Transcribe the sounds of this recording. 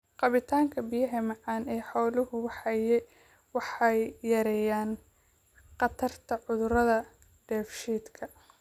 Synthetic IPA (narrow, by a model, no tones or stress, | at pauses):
qɑβɪt̪ʰaːŋkʰɐbɪjɐɦɐmɑʕɑːnɛːħɔwlʊhʊwɑħɑjɛ | wɑħɑjːɐɾɛjaːn | qɑt̪ʰɐrt̪ʰɐʕʊðʊɾɐðɐ | ɖ̥ɛːfʃiːd̪kʰɐ